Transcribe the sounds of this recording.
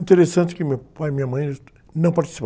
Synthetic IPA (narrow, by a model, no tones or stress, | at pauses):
ĩt̪eɾesɐ̃nt̪kɪmewpajmĩɲɐmɐ̃j̃ | nɐ̃w̃pɐɾt̪i̥si̥p